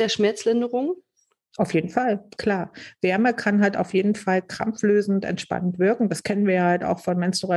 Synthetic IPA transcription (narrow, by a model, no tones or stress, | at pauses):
d̥eːɐʃmɛɐt͡slɪndəʁʊŋ | ʔaʊfjeːdn̩falkʰl̥aːɐv̥ɛɐmɐkʰanɦaltaʊfjeːdn̩falkʁ̥a̰mfløːzn̩tɛ̰ntʃpa̰nəntv̥ɪɐkŋ̩daskʰɛnənviːɐjaːhalta̰ʊxfɔnmɛnstuʁa